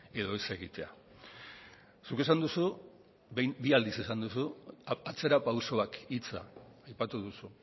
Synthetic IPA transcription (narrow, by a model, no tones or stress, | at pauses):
e̞ðo̞ese̞ɣ̞it̪e̞a̰ | suke̞s̬and̪usu | biald̪isesand̪usuat͡se̞ɾapawso̞akit͡sa̰ajpat̪uðusu